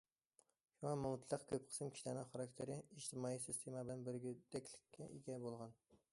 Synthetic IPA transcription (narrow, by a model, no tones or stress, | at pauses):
ʃuŋɑmuwt̪ʰlˠəqkʲʰøp̚qʰə̥sɨmkʲʰi̥ʃilæɾnɪŋχɑɾɑkʲt̪ʰeɾɪiʒt̪ʰɨmɑːijsɪst̪ʰemɑbɪlɛnbɪɾɡʲid̪ɛkʲlɪkʲːɛʔiɡʲɛbolˠʁɑn